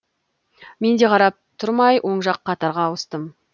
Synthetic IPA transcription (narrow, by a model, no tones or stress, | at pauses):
me̞nd̪e̞qʰɑɾɑp̚t̪ʰʊɾmɑjwʔo̞ɴʒɑqʰːɑt̪ɑɾʁɑːwəst̪əm